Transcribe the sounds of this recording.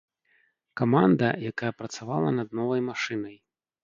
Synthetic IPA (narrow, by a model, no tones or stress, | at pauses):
kamand̪ɐ̰jakajɐpɾɐt̪sava̰lˠɐnɐd̪̚nɔvɐjmaʂɨnɐj